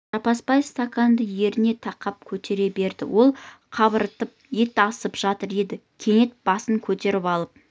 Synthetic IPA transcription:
ʒ̥ɑpɑspɑjst̪akand̪əje̞ɾɪne̞t̪ʰɑqɑp̚kʲʰɵt̪e̞ɾe̞be̞ɾd̪ɪ̰wo̞lˠqʰɑβəɾət̪əp̚je̞t̪ɪɑsəpʒɑt̪əɾe̞d̪ɪkʲʰe̞ne̞t̪̚b̥ɑsəŋkʲʰɵt̪e̞ɾɪpɑlˠəp̚

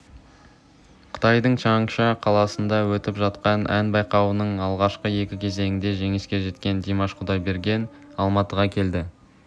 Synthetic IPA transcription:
qʰə̥t̪ɑjd̪əɴʃɑɴʃɑqʰɑlˠɑsənd̪ɑwɵt̪ɪpʒɑt̪qɑnʔænbɑjqɑwənəɴɑlˠʁɑʃqəje̞kʲɪkʲʰe̞ze̞ŋɪnd̪e̞ʒe̞ŋɪskʲe̞ʒe̞t̪kʲe̞nd̪imɑʃqʰʊd̪ɑjbe̞ɾɡʲe̞nɑlˠmɑt̪əʁɑkʲʰe̞ld̪ɪ

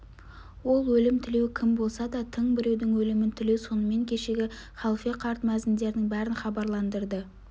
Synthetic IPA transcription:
wo̞lˠwɵlɪmt̪ʰɪle̞wkʲʰɪmbo̞lˠsɑd̪ɑt̪ʰəɴbɪɾe̞wd̪ɪŋwɵlɪmɪnt̪ʰɪle̞wso̞nəme̞ŋkʲʰe̞ʃe̞ɡʲɪ | χɑlˠfeqʰɑɾt̪mæzɪnd̪e̞ɾɪnɪŋbæɾɪnχɑbɑɾlˠɑnd̪əɾd̪ə

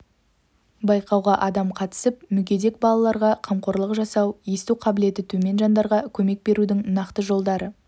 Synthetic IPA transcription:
bɑjqɑwʁɑʔɑd̪ɑmqʰɑt̪ə̥səpmʏɡʲe̞d̪e̞k̚bɑlˠɑlˠɑɾʁɑqʰɑmqo̞ɾlˠəqʒɑsɑwest̪uqʰɑbɪle̞t̪ɪt̪ʰɵme̞nʒɑnd̪ɑɾʁɑkʲʰɵme̞k̚be̞ɾud̪ɪŋnɑqt̪əʒo̞lˠd̪ɑɾə

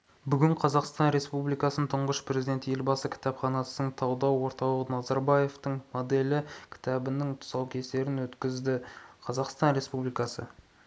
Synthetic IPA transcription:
bʏɡʲɪɴqʰɑzɑqst̪ɑnɾe̞spublijkɑsənt̪ʰʊɴʁəʃpɾezid̪e̞nt̪je̞lbɑsəkʲʰɪ̥t̪ɑpχɑnɑsənəɴt̪ʰɑwd̪ɑwwo̞ɾt̪ɑw̪ˠəʁənɑzɑɾbɑje̞ft̪əɴmod̪e̞lɪkʲʰɪ̥t̪ɑbɪnɪŋt̪ʰʊ̥sɑwkʲʰe̞st̪e̞ɾɪnwɵt̪kʲɪzd̪ɪqʰɑzɑqst̪ɑnɾe̞spublijkɑsə̰

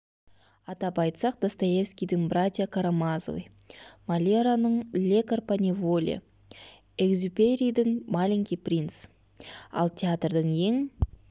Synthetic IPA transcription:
ɑt̪ɑpɑjt̪sɑqd̪̥ast̪aje̞fskʲijd̪ɪŋbrat̪ʲijakʰaɾamazo̰vɨ̰j | malʲeɾanəɴlʲekarpanʲivolʲa̰ | eɡzʲupʲeɾʲijd̪ɪŋmalʲiŋkʲiprʲins | ɑ̰lˠt̪ʰʲeat̪rd̪əɴje̞ŋ

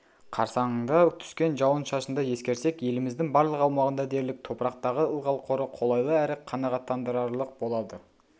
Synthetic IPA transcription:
qʰɑɾsɑɴəɴd̪ɑt̪ʰʏ̥skʲe̞nʒɑwənʃɑʃənd̪ɑje̞skʲe̞ɾsekje̞lɪmɪzd̪ɪŋbɑɾlˠəqɑwmɑʁənd̪ɑd̪e̞ɾlɪk̚t̪ʰo̞pɾɑqt̪ɑʁəəlˠʁɑlˠqʰo̞ɾəqʰo̞lˠɑjlˠəæɾɪqʰːɑnɑʁɑt̪ːɑnd̪əɾɑɾlˠəq̚bo̞lˠɑd̪ə

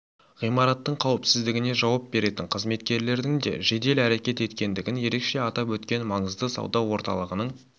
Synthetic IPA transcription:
ʁijmɑɾɑt̪ːəɴqʰɑwəpsɪzd̪ɪɡʲɪne̞ʒɑwɑp̚be̞ɾe̞t̪ɪɴqʰəzme̞t̪kʲe̞ɾle̞ɾd̪ɪŋd̪e̞̰ʒe̞d̪e̞læɾe̞kʲe̞t̪e̞t̪kʲe̞nd̪ɪɡʲɪnje̞ɾe̞kʃe̞ɑt̪ɑpwɵt̪kʲe̞nmɑɴəzd̪əsɑ̰wd̪ɑwo̞ɾt̪ɑ̰lˠəʁənəɴ

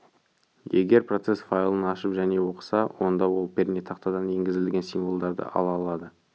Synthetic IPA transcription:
jeɡʲe̞ɾpro̞t̪se̞sfajlˠənɑʃəpʒæne̞wo̞qə̥sɑwo̞nd̪ɑwo̞lˠpʲʰeɾnʲet̪ʰɑqt̪ɑd̪ɑne̞ŋɡʲɪzɪllɡʲe̞nsinvo̞lˠd̪ɑɾd̪ə̰ʔɑ̰lˠɑlˠɑd̪ə

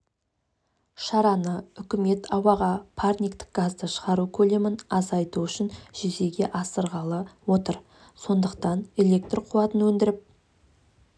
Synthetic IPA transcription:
ʃɑɾɑnəʏkʲɪme̞t̪ʰɑwɑʁɑpʰarnʲijkt̪ɪ̥k̚ɡ̥azd̪əʃəʁɑɾukʲʰɵle̞mɪnɑzɑjt̪uʏʃɪnʒ̥eze̞ɡʲe̞ʔɑsəɾʁɑlˠəwo̞t̪əɾ | so̞nd̪əqt̪ɑne̞le̞k̚t̪rqʰuwɑt̪ənwɵnd̪ɪɾɪp̚

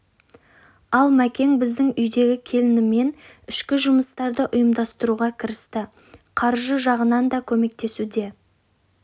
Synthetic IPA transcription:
ɑlˠmækʲe̞ŋbɪzd̪ɪŋʏjd̪e̞ɡʲɪkʲʰe̞lɪnɪme̞n | ʏʃkʲɪʒʊməst̪ɑɾd̪əʔʊjəmd̪ɑst̪əɾuʁɑkʲʰɪɾɪst̪ɪ | qʰɑɾʒəʒɑʁənɑnd̪ɑkʲʰɵme̞k̚t̪e̞sud̪e̞

